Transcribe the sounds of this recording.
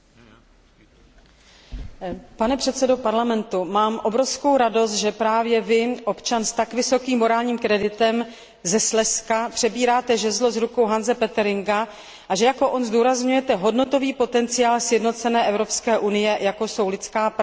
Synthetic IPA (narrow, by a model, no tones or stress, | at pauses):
panɛpr̝̥ɛt̪sɛdo̞paɾlamɛnt̪umaːmʔo̞bɾo̞fsko̞wɾado̞st̪ʒɛpɾaːvjɛvɪʔo̞pt͡ʃanst̪akvɪso̞kiːmːo̞ɾaːlɲiːmkɾɛdɪt̪ɛm | zɛslɛskapr̝̥ɛbiːɾaːt̪ɛʒɛzlo̞zɾuko̞wɦanzɛpɛt̪ɛɾɪŋɡa | ʔaʒɛjako̞ʔo̞nzduːɾazɲujɛt̪ɛɦo̞dno̞t̪o̞viːpo̞t̪ɛnt͡sɪjaːlsjɛdno̞t̪t͡sɛnɛːʔɛvɾo̞pskɛːʔunɪjɛjako̞so̞wlɪt͡skaːp